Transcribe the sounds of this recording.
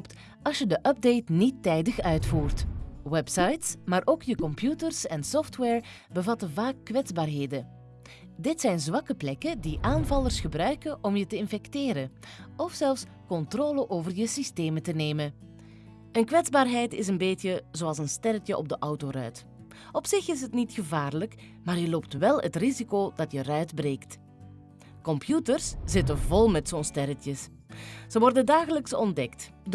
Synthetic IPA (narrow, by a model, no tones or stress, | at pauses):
pt | ɑsjədəʔœb̚dejtnitːɛjdəxœɥtfuːrtwɛpsɑjtsmaːɾʔoːkjəkɔmpjutərsɛnsɔftwɛːɹ | bəvɑtənvaːkːʋɛdzbaːrɦeːdən | dɪtsɛjnzʋɑkəplɛkədiʔaːnvɑlərsxəbrœɥkənʔɔmjətəɪnfɛktɪːɾən | ɔfsɛlˠfs | kɔntroːləʔoːvərjəsisteːmətəneːmən | ənkʋɛdzbaːrɦɛjtɪs̬ənbeːtjəzoːɑlˠsənstɛɾətjəʔɔb̚dəʔɑwtoːrœɥt | ɔpsɪxɪsɦətnitxəvaːrlək | maːrjəloːptʋɛlˠətrizikoːd̥ɑtjərœɥdbreːkt | kɔmpjutərsz̥ɪtənvɔlˠmɛtsoːnstɛɾətjəs | z̥əʋɔrdəndaːɣələksɔndɛkt